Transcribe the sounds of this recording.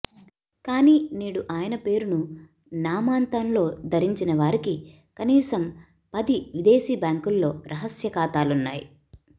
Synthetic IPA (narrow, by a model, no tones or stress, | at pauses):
kaːniːniːɽuʔaːjɐnɐpe̞ːɾunu | naːmaːnt̪ɐnlo̞ːd̪ʱɐɾiɲt͡ʃinɐʋaːɾiki | kɐniːsɐm | pɐd̪iʋid̪eːsiːbjaːŋkulːo̞ːɾʔɐɦɐsjɐkaːt̪aːlunːa̰ːjḭ